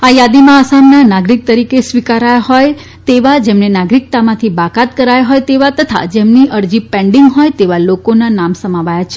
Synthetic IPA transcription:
ajad̪imãːsamnanaɡɾik̚t̪əɾikesʋikaɾajaɦɔj | t̪eʋad͡ʒemnenaɡɾik̚t̪amãt̪ʰibakat̪̚kəɾajaɦɔjt̪eʋat̪ət̪ʰa̰d͡ʒemniʔəɾd͡ʒipɛ̃ɳɖiŋɡɦɔjt̪eʋalokonanamsəmaʋajat͡ʃʰe

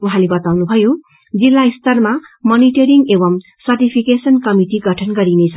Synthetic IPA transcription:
uɦãlebʌt̪awnubʱʌjo | d͡zilːaist̪ʌrmamʌniʈʌɾiŋɡebʌm | sʌrʈipʰikesʌnkʌmiʈiɡʱʌʈʰʌnɡʌɾinet͡sʰʌ

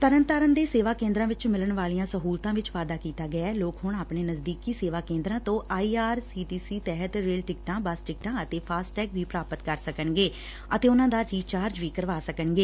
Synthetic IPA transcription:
t̪əɾənt̪aːɾənd̪eːseːʋaːkẽːnd̪ɾãːʋɪt͡ʃmɪləɳʋaːlijãːsəɦuːlt̪ãːʋɪt͡ʃʋaːd̪aːkiːt̪aːɡəaːloːkɦʊɳaːpɳeːnəzd̪iːkiːseːʋaːkẽːnd̪ɾãːt̪õːʔaːiːaːɾsiːʈiːsiːt̪ɛːɦət̪ɾeːlʈɪkʈãːbəsʈɪk̚ʈãːət̪eːpʰaːsʈɛːkʋiːpɾaːpət̪kəɾsəkəɳɡeː | ət̪eːʊnãːd̪aːɾiːt͡ʃaːɾd͡ʒʋiːkəɾʋaːsəkəɳɡeː

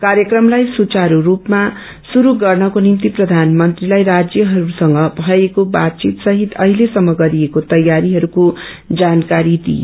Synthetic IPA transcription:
kaɾjʌkrʌmlajsut͡saɾuɾupma | suɾuɡʌrnʌkonimt̪iprʌd̪ʱanmʌnt̪rilajɾad͡zjʌɦʌɾusʌŋɡʌbʱʌekobat̪̚t͡sit̪sʌɦit̪ʌɦilesʌmːʌɡʌɾiekot̪ʌjaɾiɦʌɾuko | d͡zankaɾid̪ḭ

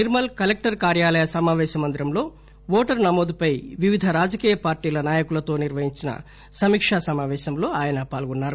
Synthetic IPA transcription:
niɾmɐlkɐlek̚ʈɐɾkaːɾjaːlɐjɐsɐmaːʋɛːʃɐmɐnd̪ɾɐmlo̞ː | ʋoːʈɐɾnɐmoːd̪upɐjʋiʋid̪ʱɐɾaːd͡ʒɐkiːjɐpaːɾʈiːlɐnaːjɐkulɐt̪o̞ːniɾʋɐɦiɲt͡ʃinɐ̰ | sɐmiːkʂasɐmaːʋɛːʃɐmlo̞ːaːjɐnɐpaːlɡɔnːaːɾu

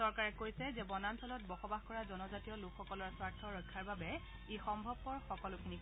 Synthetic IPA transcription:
sɔɹkaɹɛkojsɛzɛbɔnantʰɔlɔt̚bɔxɔbaxkɔɹazɔnɔzatijɔlukʰxɔkɔlɔɹswaɹtʰɔɹɔjkʰːaɹbabɛ | exɔmbʱɔb̚pɔɹxɔkɔlʊkʰini

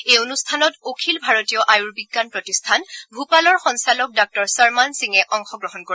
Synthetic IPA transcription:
ejonustʰanɔtokʰilbʱaɹotijɔʔajuɹbiɡːanpɹɔtistʰanbʱupalɔɹxɔnsalɔk̚dak̚tɔɹsaɹmansiŋɛʔɔŋxɔɡɹɔɦɔnko

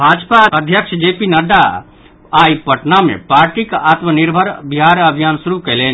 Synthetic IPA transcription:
bʱad͡ʒpaəd̪ʱjəkʃd͡ʒepinəd̪a | aipəʈnamḛ̃paːɾʈikat̪məniɾbʱəɾbiɦaɾəbʱijansuɾukɛlen

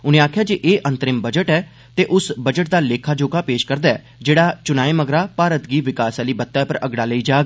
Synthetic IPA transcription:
ʊnẽaːkʰjaːd͡ʒeːʔeːʔə̃nt̪əɾɪmbəd͡ʒəʈɛː | t̪eːʔʊsbəd͡ʒəʈ̚d̪aːleːkʰaːd͡ʒoːkaːpeːʃkəɾd̪aːɛ̰ː | d͡ʒeːɽaːt͡ʃʊnaːiːməɡɾaːpaːɾət̪ɡiːʋɪkaːsaːliːbət̪ːapəɾəɡɽaːləiːd͡ʒaːɡ

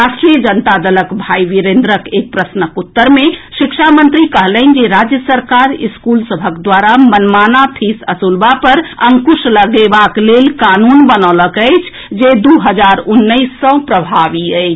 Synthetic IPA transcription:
ɾasʈɾijəd͡ʒənt̪ad̪ələkbʱaiʋiɾend̪ɾəkek̚pɾəsnəkut̪ːəɾmeʃikʃʰamənt̪ɾikəɦlən̆d͡ʒeɾad͡ʒjəsəɾkaɾiskulsəbʱəkd̪waɾamənmanat̪ʰisəsulbapəɾəŋkusləɡebaklelkanunbənɔləkəjt͡ʃʰ | d͡ʒed̪uɦəd͡ʒaɾunːəjsːə̃pɾəbʱabiəjt͡ʃʰ

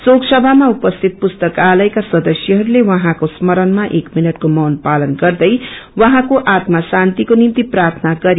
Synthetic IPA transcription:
soksʌbʱamaupʌst̪ʰit̪̚pust̪ʌkalʌjkasʌd̪ʌsjʌɦʌɾulewʌɦãkosmʌɾʌnmaʔekminʌʈkomʌwnpalʌnɡʌrd̪ʌjwʌɦãkoʔat̪masant̪ikonimt̪iprart̪ʰʌnaɡʌɾi

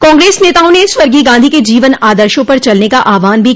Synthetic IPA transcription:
kɔ̃ːŋɡɾeːsneːt̪aːõneswɐɾɡiɡãːnd̪ʱiked͡ʒiːʋənaːd̪əɾʃõpɐɾt͡ʃɐlnekaʔaːʋaːnbʱi

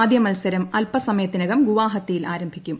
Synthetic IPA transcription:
d̪jɐmɐlsɐɾɐmɐlpɐsɐmɐjɐt̪ːinɐɣɐmɡuʋaːɦɐt̪ːijilaːɾɐmbʱikʲːum

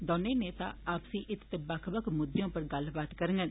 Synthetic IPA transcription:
d̪oːneːneːt̪a̰ːaːpsĩːʔɪt̪t̪ebəkʰbəkʰmʊd̪jõːpəɾɡəlbaːt̪kəɾəŋɡən

